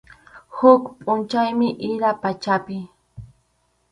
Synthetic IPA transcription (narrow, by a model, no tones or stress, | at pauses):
hʊkpʼʊnt͡ʃajmɪʔɪɾapat͡ʃapɪ